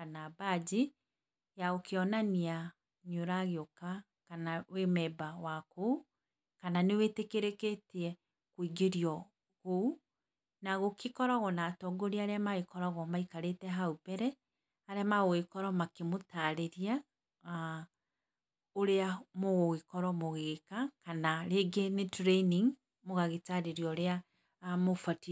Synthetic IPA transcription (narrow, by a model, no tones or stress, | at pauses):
anabad͡ʒi | jaokeɔnania | ɲoɾaɣeoka | kanawemɛbawakou | kananewetekeɾeketiɛ | kwiɡeɾiɔ | ɣou | naɣokikɔɾaɣɔnaːtɔɡoɾeaɾeamaekɔɾɔɣɔmaikaɾetɛɦaupɛɾɛ | aɾeamaɣoɣekɔɾɔmakemotaɾeɾia | oɾeamoɣoɣekɔɾɔmoɣekakanaɾeɡenetɾeniŋ | moɣaɣetaɾeɾiɔɾea | mofati